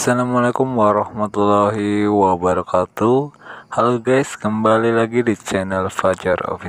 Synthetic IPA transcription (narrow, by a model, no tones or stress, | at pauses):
salamalakumwaɾɑhmat̪ulaɦiwabaɾɔkat̪uhaluɡajskəmbalilaɡidit͡ʃɛnəlfad͡ʒarɔ̰fi